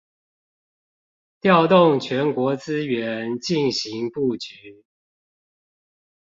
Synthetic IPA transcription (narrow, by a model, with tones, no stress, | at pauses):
t̪jɑ˥˧ʊt̪ʊ˥˨ŋt͡ɕʰɥɛ˨˦˥nkwɔ˧˥t͡sɹ̩˥ɥɛ˧˦nt͡ɕi˥˩nɕi˨˧˥ŋpu˥˩t͡ɕy˨˦